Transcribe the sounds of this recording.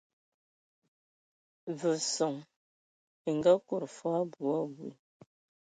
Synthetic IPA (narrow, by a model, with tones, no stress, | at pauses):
və˨sɔ˨ŋ | e˨ŋ˨ɡa˦ku˦˨ɾfa˦bu˨ɔ˦bwḭ˨